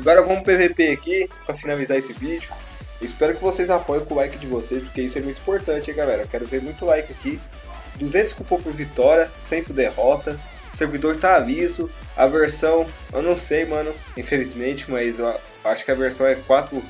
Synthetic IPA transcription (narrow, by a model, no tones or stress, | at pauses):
aɡɔɾɐvɐ̃mʊpevepeakipɾɐfinalizaesɪvid͡ʒʊ | ɪspɛɾʊkɪvosejzapɔjɐ̃w̃kʊlajkɪd͡ʒɪvosejspoɾkeisʊɛmũj̃t̪ʊĩpoɾt̪ɐ̃t͡ʃɪiɡalɛɾɐewkɛɾʊveɾmũj̃t̪ʊlajkɪaki | d̪uzẽnt̪ʊ̥skupɐpʊɾvit̪ɔɾiɐsẽpɾɪd̪ehɔt̪ɐ | ʊseɾvid̪oɾt̪aːvizʊ | ɐ̰veɾsɐ̃w̃ | ḛwnɐ̃w̃sejmɐ̃nʊ | ĩfelizmẽnt͡ʃɪ̥mɐzew | aʃʊ̥kɪɐveɾsɐ̃w̃ɛkwat̪ɾʊ